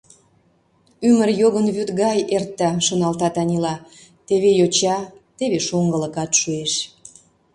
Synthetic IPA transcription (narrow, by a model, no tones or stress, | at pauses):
ymərjoɣənβyt̪ɣɑjert̪ːɑʃonɑlt̪ɑt̪ɑnʲilɑ | t̪eβejot͡ɕɑt̪eβeʃoŋɡələ̆kɑt̪ʃueʃ